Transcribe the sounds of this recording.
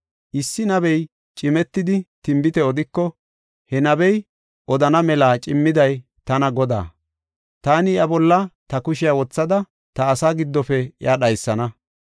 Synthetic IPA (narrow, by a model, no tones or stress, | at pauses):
ʔɪsːɪnɐbɛj | t͡ʃʼɪmɛt̪ːɪd̪ɪt̪ɪmbɪt̪ɛɔd̪ɪkːɔ | hɛnɐbɛj | ʔɔd̪ɐnɐmɛlaːt͡ʃʼɪmːɪd̪ɐj | t̪ɐnɐɡɔd̪a̰ː | t̪aːnɪjɐbɔlːɐt̪ɐkʊʃɪjawɔt͡sːɐd̪ɐ | t̪ɐːsaːɡɪd̪ːɔfɛɪjʔaɗɐjsːɐnɐ